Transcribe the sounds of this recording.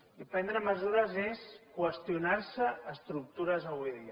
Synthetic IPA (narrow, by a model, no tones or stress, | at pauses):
ipɛnd̪ɾəməzuɾəzeskwəst̪iunaɾsəəst̪ɾuk̚t̪uɾəzəβujðiə